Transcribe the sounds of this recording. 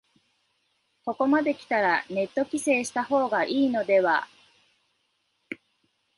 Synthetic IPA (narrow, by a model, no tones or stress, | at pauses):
ko̞ko̞mad̪e̞kʲi̥t̪aɾane̞t̪ːo̞kʲise̞ːɕi̥t̪aɦo̞ːɡaʔiːno̞d̪e̞βa̰